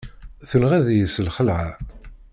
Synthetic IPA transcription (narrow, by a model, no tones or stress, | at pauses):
θənʁæðjəsəlχəlʕa